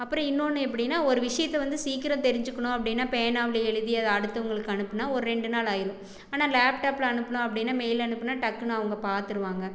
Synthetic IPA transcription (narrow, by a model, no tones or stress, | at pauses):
ɐpːɯɾɔ̃ɪnːoːnːɯɛpːɐɽɪnːaːɔɾɯʋɪʂɐjɐt̪ːɛʋɐnd̪ɯsiːkːɪɾɐ̃t̪ɛɾɪɲd͡ʒɯkːɐɳʊ̃ɐpːɐɽɪnːaːpɛjɐnaːʋɪlɐɛɻɯðɪjɐɐðɐɐɽɯt̪ːɐʋɐŋɡɐɭɯkːɯɐnɯpːɯnːaːɔɾɯɾɛɳɖɯnaːlaːjɪɾɯ̃ | aːnaːlaːpʈaːpɪlɐɐnɯpːɐnʊ̃ɐpːɐɽɪnːaːmɛjlɐnɯpːɐnːaːʈɐkːɯnʊ̃ɐʋɐŋɡɐpaːɾt̪ɪɾɯʋaːŋɡɐ